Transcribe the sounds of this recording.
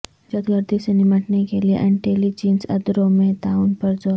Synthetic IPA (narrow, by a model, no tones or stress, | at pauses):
ət̪ɡəɾd̪isənimaʈnekeliʔa̰niʈelid͡ʑinsə̰d̪ɾomet̪aunpəɾd͡zo